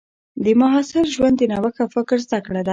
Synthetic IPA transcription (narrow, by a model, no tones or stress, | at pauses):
d̪əmaɦɑsɪɾʒwand̪ənawəxafɪkɾzd̪akɽad̪a